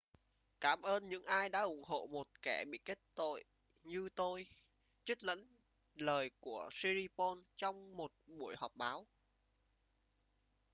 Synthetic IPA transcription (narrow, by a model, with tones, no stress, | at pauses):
kaː˧˩mʔəː˧nɲɨ̰˧˥ŋʔaː˧jɗa̰ː˧˥ʔʊ˧˩ŋ͡mɦo̰˧˨mo˨˩t̚kɛ˧˩ɓḭ˧˨ke˦˥t̚t̪o̰˧˨j | ɲɨ˧t̪o˧j | t͡ɕə˦˥k̚lə̰˧˥n | ləː˨˩jku˧˩əsi˧ɾi˧pɔ˧nt͡ɕɔ˧wŋ͡mmo˨˩t̚ɓu˧˩əjhɔː˨˩p̚ɓaː˨˦w